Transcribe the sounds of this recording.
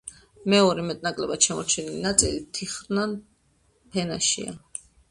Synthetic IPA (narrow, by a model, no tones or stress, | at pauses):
mɛɔɾɛmɛt̪ʼnakʼlɛbat̪ʃɛmɔɾt͡ʃʰɛnilinat̪sʼilit̪ʰiχɾnan | pʰɛnaʃḭa̰